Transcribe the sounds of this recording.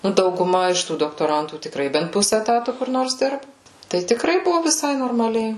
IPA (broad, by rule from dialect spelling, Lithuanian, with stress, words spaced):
ˈnʊ dɐʊɡʊˈmɐ ɪʃ ˈtuː doːktoːˈrɐntuː tʲɪkˈrɐɪ bʲɛnt ˈpʊsʲɛ ɛˈtɑːtʊ kʊr ˈnoːrs ˈdʲɪrbʊ tɐɪ tʲɪkˈrɐɪ ˈbʊʋoː ʋʲɪˈsɐɪ noːrmɐˈlʲɛɪ